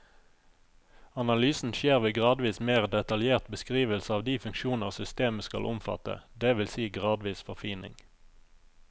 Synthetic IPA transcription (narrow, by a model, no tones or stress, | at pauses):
ɑnɑlyːsn̩ʃeːʁʋeːɡʁɑːd̪ʋiːsmeːʁd̪ɛt̪ɑljeːʁt̪bəskʁiːʋəlsəɑːʋd̪iːfʉŋkʃuːnəʁsʏst̪eːməskɑ̰lʔʊmfɑ̰t̪ə̰d̪eːʋɪlsiːɡʁɑːd̪ʋiːsfɔʁfiːnɪ̰ŋ